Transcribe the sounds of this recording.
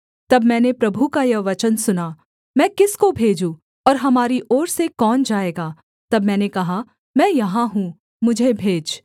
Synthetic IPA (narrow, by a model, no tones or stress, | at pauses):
t̪ɐbmɛ̃ːnepɾɐbʱukajɐʋɐt͡ʃənsʊna | mɛ̃ːkɪskobʱeːd͡ʒũ | ɔːɾɦɐmaːɾiʔɔːɾsekɔːnd͡ʒaːeːɡaː | t̪ɐbmɛ̃ːnekɐɦa | mɛ̃ːjɐɦãɦũ | mʊd͡ʒʱebʱeːd͡ʒ